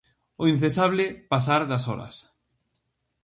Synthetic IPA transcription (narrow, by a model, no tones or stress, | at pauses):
ʊin̟θesaβ̞lɪpasaɾðasɔɾɐ̰s